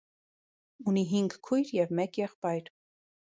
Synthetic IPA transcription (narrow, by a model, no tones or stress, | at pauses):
uniɦiŋɡkʰːujɾjɛvmɛkjɛχpɑjɾ